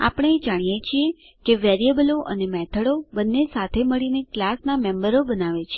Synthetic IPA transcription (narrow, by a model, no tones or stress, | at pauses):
a̰pəɽ̃eːd͡ʒaɽ̃ijet͡ʃʰie | keʋɛɾiəbəloʔə̰nemɛt̪ʰəɽobənːesat̪ʰeməɭineklasnamɛ̃mbəɾobənaʋet͡ʃʰi